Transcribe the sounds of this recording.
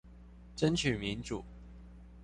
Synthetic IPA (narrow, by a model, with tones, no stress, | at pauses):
ʈ͡ʂə˥nt͡ɕʰy˨˩mi˧˦˥nʈ͡ʂu˨˩˦